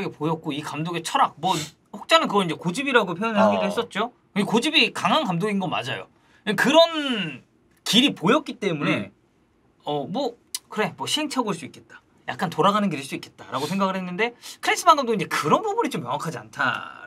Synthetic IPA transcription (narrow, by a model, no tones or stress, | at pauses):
ɡepojʌk̚k͈oikamdoɡe̞t͡ɕʰʌɾak̚mwʌ | ɸok̚t͡ɕ͈anɯnkɯɡʌniɲd͡ʑe̞kod͡ʑibiɾaɡopʰjʌnɯɭɦaɡiɾɯɭɦe̞s͈ʌt̚t͡ɕ͈o | kɯnɡekod͡ʑibikaŋɦaŋkamdoɡinɡʌnma̰d͡ʑajo̰ | ɯkɯɾʌn | kiɾipojʌt̚k͈it͈e̞mune̞ | ʌmwʌ | kɯɾe̞mwʌɕʰiɦe̞ŋt͡ɕʰʌboɭs͈uik͈e̞t̚t͈ḁ | ja̰k̚k͈antoɾaɡanɯnɡiɾeɭs͈uik͈e̞t̚t͈aɾaɡosʰe̞ŋɡaɡɯɭhenːɯnde̞kʰɯɾens͈ʰɯbaŋɡɯmdoinɲd͡ʑe̞kɯɾʌnbubunit͡ɕomjʌŋakʰad͡ʑia̰ntʰa̰